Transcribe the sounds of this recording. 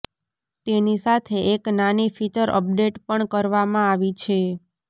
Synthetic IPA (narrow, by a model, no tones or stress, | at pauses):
t̪enisat̪ʰeʔeknanifit͡ʃəɾʔə̰p̚ɖeʈpəɳkəɾʋamãaʋit͡ʃʰe